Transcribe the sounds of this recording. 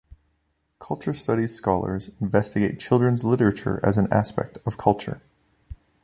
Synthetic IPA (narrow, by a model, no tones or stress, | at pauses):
kʰʌlˠt͡ʃə˞stʌɾiz̥skɑlˠə̰˞zɪ̃ɱvɛstɨɡeɪt̚t͡ʃʰɪlˠdɹɨ̃nzlɪɾə˞ɨt͡ʃə̰˞ʔɨ̰z̃n̩æ̰spɛ̰k̚tʌv̥kʰʌlˠt͡ʃə̰˞